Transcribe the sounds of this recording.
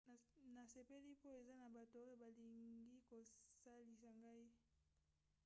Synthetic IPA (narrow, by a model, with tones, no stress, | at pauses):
na˨se˨pe˦li˦po˦e˨za˦na˨ba˨to˨o˦jo˦ba˨li˨ŋɡi˦ko˨sa˦li˨sa˨ŋɡa˦i˦